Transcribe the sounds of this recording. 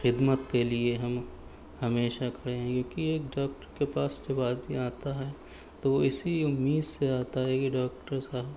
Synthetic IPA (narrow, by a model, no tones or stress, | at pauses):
xɪd̪mət̪kelieɦɐm | hɐmeːʃakɐɾeɦɛ̃kjõːkieːk̚ɖaːk̚ʈəɾkepaːsd͡ʒebaːd̪bʱiaːt̪aɦɛ | t̪oʋoɪsiʊmːiːd̪seaːt̪aɦɛkiɖaːkʈəɾsaːɦb